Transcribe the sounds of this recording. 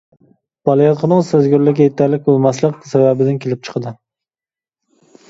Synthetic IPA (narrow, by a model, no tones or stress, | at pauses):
b̥ɑlˠɑjɑt̪qʰənɨŋsæzɡʲyɾlɪkʲɛjet̪ʰæɾlɪk̚ʲbolˠmɛslˠəq̚ʲsɛwæbɪd̪ɪnkʲʰelɪp̚t͡ʃʰə̥qʰəd̪ɨ